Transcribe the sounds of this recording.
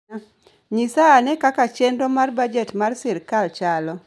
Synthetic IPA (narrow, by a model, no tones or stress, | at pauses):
ɲisaːnɛkakat͡ʃendomarbad͡ʒetmarsɪɾkalt͡ʃalɔ